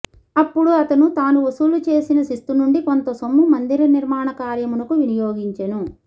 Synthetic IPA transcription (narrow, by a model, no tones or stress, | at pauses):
ɐpːuɽuɐt̪ɐnut̪aːnuʋosuːlut͡ʃe̞ːsinɐsist̪unuɳɖikont̪ɐsomːumɐnd̪iɾɐniɾmaːɳɐkaːɾjɐmunɐkuʋinijoːɡiɲt͡ʃɐnu